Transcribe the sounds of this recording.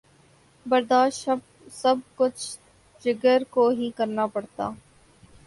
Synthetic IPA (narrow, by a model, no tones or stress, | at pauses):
bəɾd̪aːʃ | səb̚kʊt͡ʃʰ | d͡ʒɪɡəɾkoːɦiːkəɾnaːpəɽt̪a̰ː